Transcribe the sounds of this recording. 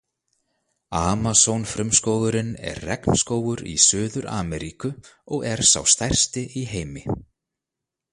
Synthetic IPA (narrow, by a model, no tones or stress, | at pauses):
aːmasownfɾʏmskoːwðʏɾɪnɛ̰ɾːɛkn̥skoːwɣʏɾḭsœːðʏɾa̰ːmɛɾikʏɔɣɛɾ̥sa̰wst̪ajr̥st̪ɪiɦeːjmɪ